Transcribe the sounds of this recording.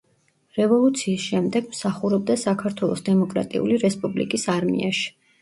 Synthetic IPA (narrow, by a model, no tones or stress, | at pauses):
ɾɛvɔlˠut̪sʰiːsʃɛmd̪ɛɡmsaχuɾɛb̚d̪asakʰaɾt̪ʰwɛlˠɔsd̪ɛmɔkʼɾa̰t̪ʼḭṵliɾɛspʼublḭkʼisaɾmḭa̰ʃi̥